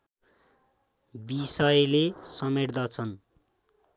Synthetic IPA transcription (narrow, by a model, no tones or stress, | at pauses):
bisʌjlesʌmeɽd̪ʌt͡sʰʌn